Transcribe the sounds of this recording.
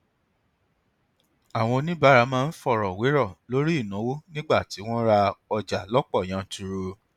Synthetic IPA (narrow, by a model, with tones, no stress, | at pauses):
a˨w̃ɔ̃˧nĩ˦ba˦ɾa˧˦mãː˦˧n̩˦fɔ˦˨ɾɔ˨we˨˦ɾɔ˦˨lo˦ɾi˦i˦˨nã˨˦wo˦nĩ˦ɡ͡ba˦˨ti˨˦w̃ɔ̃˦ɾa˧ɔ˧d͡ʒa˨lɔ˦k͡pɔ˦˨j̃ã˨˦tu˧ɾo˧